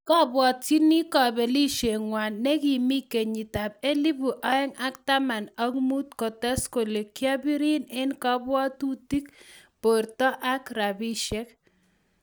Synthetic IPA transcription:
kɔ˦bwɔ˨tt͡ʃi˦ni˦kɔ˨be˨li˦ʃe˨ŋwa˨nːɛ˦ki˨mi˦ke˨ɲi˨ta˨b̚e˦li˦bu˨ʔɔ˦ɛ˦ŋa˦kta˦ma˨nɔ˦kmu˦t̚kɔ˨tɛ˦sko˨le˨kja˦bi˦ɾi˦nɪ˦nkɔ˦bwɔ˦tu˦ti˦kpo˨ɾtɔ˦ʔa˦kɾa˨bi˦ʃɛ˦k

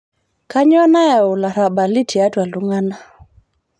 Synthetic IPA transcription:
ka˦ɲɔ˦na˦ɛ˨u˨la˨ɾa˨ɓa˨li˦tʰi˨a˦twa˨lu˦ŋa˦na˦

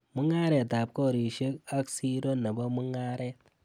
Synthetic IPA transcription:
mu˦ŋa˦ɾɛ˨ta˨p̚ko˦˨ɾi˨ʃe˦ka˦ksi˦ɾo˦na˨ba˦mu˦ŋa˦ɾɛ˦t̚

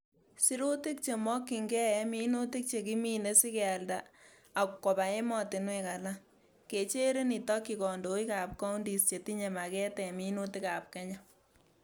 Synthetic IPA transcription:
si˦ɾu˦ti˦k̚t͡ʃe˨mɔ˦kːi˨ŋɡɛ˦ɛ˦mi˦no˦ti˦k̚t͡ʃe˨ki˦mi˦ne˦si˦kɛa˨ldaː˨ | kkɔ˨pa˨e˦mɔ˨tɪ˨nweka˨la˦ | ke˨t͡ʃe˦ɾe˦ni˨tɔ˦kːi˨kɔ˨ndo˨˦i˦ka˨p̚kɔ˦u˦ndi˨st͡ʃe˨ti˦ɲe˨ma˨kɛ˦tɛ˨mi˦no˦ti˦ka˨p̚kɛ˦ɲɔ˦

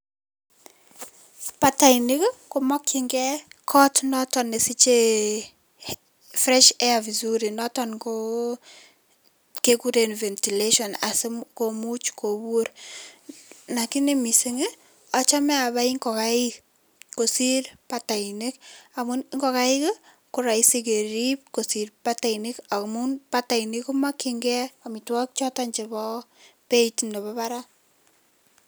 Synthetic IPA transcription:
pa˨ta˨ini˦kko˨mɔ˦kːiŋɡɛ˦kʰɔ˦tnɔ˦tɔ˨ne˨si˦t͡ʃe˦ | fɾɛ˦ʃɛ˦avi˨zuɾi˨nɔ˦tɔnko˦ | ke˦ku˦ɾenvɛ˨nti˨leʃɔ˨na˨se˦komu˦t͡ʃkʰo˨wo˦ɾ | na˨ki˦ne˦mi˨se˦ŋe˦ | ɔ˦t͡ʃa˦mɛ˦a˨βa˦iŋɡɔ˨kaɪk | ko˨si˦ɾpata˨ine˦ka˨mu˦nŋɡɔ˨ka˦ɪ˦k | kʊ˨ɾa˨isi˦k̬e˨ɾip̚ko˨siɾpa˦ta˨ini˦ka˨kmu˦npata˨i˨nɪ˦ku˦ma˦kɪŋɡɛ˦ami˨twɔ˦k̚t͡ʃɔ˦ta˦ɲt͡ʃe˨bɔ˦pe˦itindɔ˨βɔ˦pa˦ɾa˦

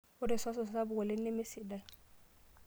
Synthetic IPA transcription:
ʊ˦dɛ˨sɔ˦s̬ɔ˨ssa˦bʊ˨wɛ˨lɪ˦ne˦me˦si˨dɛ˨

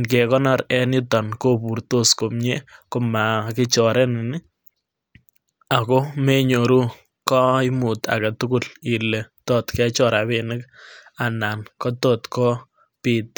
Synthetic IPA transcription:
nk̬ɛ˨kɔ˦nɔ˦ɾɛ˦nɪ˦t̪ɔ˨nko˦pu˨ɾto˦sko˨mɲekoma˨kɪ˦t͡ʃɔ˨ɾʔɛ˦nɪ˨nɪ˦ | a˨ko˦me˦ɲo˨ɾu˦ | kɔ˦ɪmu˨t̪a̰˨kɛt̪u˦kuli˨le˨t̪ɔt̪kɛ˦t͡ʃɔɾa˨βinɪ˦kana˨nkɔ˦tɔt̪kɔ˦ | pit̪̚

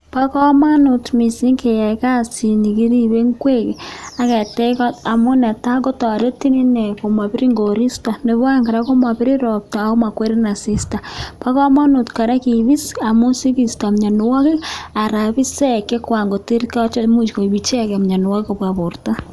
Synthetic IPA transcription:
pa˦kɔ˦ma˦nu˨tmi˨si˦ŋke˨ja˨ka˦si˨ni˨ki˦ɾi˦βe˦ŋkwe˦ke˨a˨˦kɛ˨tɛ˦kɔ˦ta˨mu˦nɛ˨ta˦ɡo˦tɔ˨ɾe˦ti˦ni˦nɛ˨ko˨ma˨pi˦ɾi˦ŋɡo˨ɾi˦sta˨ne˨βwa˦ŋɡa˨ɾa˦ko˦ma˨pi˦ɾi˦ɾɔ˨p̚ta˨o˦ma˨kwe˦ɾi˦na˨si˦sta˨pa˦kɔ˦ma˦nu˨tka˨ɾa˦ki˨βi˦sa˨mu˦si˦ki˨sta˨mɲa˨nu˨wɔ˦ke˦a˨ɾa˨βi˦sɛ˦ke˦kwa˨ŋɡo˨ti˦ɾka˦t͡ʃɔ˦mu˦t͡ʃko˨i˨βi˨t͡ʃe˦˨kmɲa˨nu˨wa˦ko˨bwa˨βo˨rta˦

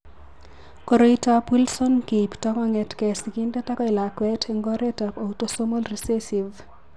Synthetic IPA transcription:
ko˨ɾoita˨pi˦lsɔ˦nke˨iptakɔŋɛ˨tkɛski˦ndɛ˦ta˦kɔ˦ɪ˨la˨kwɛtʰeŋɡɔ˦ɾɛ˦ta˨po˨uto˦so˦mo˦lrisesi˨v

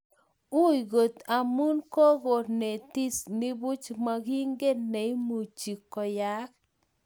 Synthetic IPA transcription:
u˦i˨ɡo˨t̪a˨mu˦nko˦ɡo˨ɾne˨t̪i˦snɪ˦bu˦t͡ʃma˨ɡi˦ŋɡeː˦e˨i˦mu˨t͡ʃi˨kːɔ˨ja˦k̚

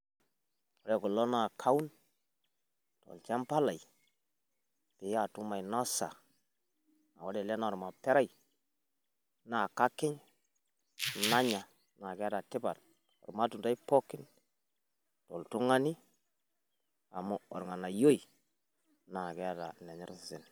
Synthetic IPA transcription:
o˨ɾɛ˨kɔ˨lɔ˦na˦˨kʰa˦u˦n | tɔ̰˨lt͡ʃa˦mpa˦la˨i˨ | pɪ˨ja˨tu˦ma˨jna˦sa̰˨ | a̰˨wo˦dɛ˨lɛ˦na˨ɔ˨ɾma˨pɛ˦ɾa˦ji˨ | na˨ka˦kɪ˦ɲ | na˦ɲa˨ | na˨kɛ˦a˦da˨tɪ˦ba˨t | ɔ̰˨ɾma˦tu˨nda˦i˦pɔ˦kɪ˦n | to˨ltu˦ŋa˦ni˦ | a̰˨mu˦ɔ̰˨ɾŋa˨na˨jo˦i˨ | na˨kɛ˦a˦ta̰˨nɛ˨ɲɪ˦ɾsɪ˨sɪ˨n

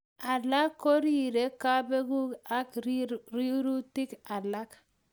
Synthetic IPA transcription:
a˨la˦kːo˦ɾi˦˨ɾe˦ka˦be˦ɡu˦ka˦kɾi˦ɾu˦ti˦ka˨la˦k

